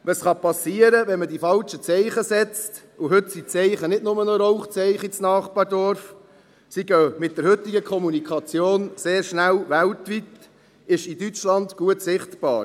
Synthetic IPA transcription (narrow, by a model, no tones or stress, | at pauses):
ʋəsχɑpɑsiəɾəʋɛnmədifɑlt͡ʃət͡sɛɪχəsɛt͡st | ʊɦɵtsit͡sɛɪχənɪdnʊmənɔɾɔʊχt͡sɛɪχit͡snɑːχpɑɾdɔɾf | siɡœmɪt̚d̥əɾɦɵtːɪɡəkʰɔmunikʰɑt͡sjoːnseːɾʃnælvæltʋit | ɪʃidyt͡ʃlɑndɡ̥uətsɪχtb̥ɑ̰ːɾ